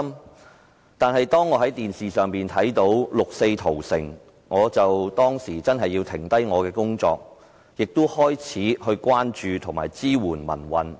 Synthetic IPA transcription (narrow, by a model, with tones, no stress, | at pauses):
m | t̪aː˨nɦɐ˨jt̪ɔː˥ŋːɔː˨˧ɦɐ˨˥jt̪iː˨nsiː˨sœː˨ŋpiː˨nt̪ʰɐ˨˥jt̪o˨˥wlʊ˨k̚se˧jt̪ʰo˨˩wsɪ̰˨˩ŋ | ŋɔː˨˧t͡sɐ˨wt̪ɔː˥ŋsiː˨˩t͡sɐ˥nɦɐ˨jːi˧wt̪ʰɪ˨˩ŋt̪ɐ˥jŋɔː˨˧kɛː˧kʊ˥ŋt͡sɔ̰ː˧k̚ | jɪ˨k̚t̪ʊ˥hɔː˥jt͡sʰiː˨˥ɦɵ˧ɥkʷaː˥nt͡ʃyː˨t̪ʰʊ˨˩ŋma̰ː˨˩jt͡siː˥wuː˨˩nmɐ̰˨˩nwɐ˨n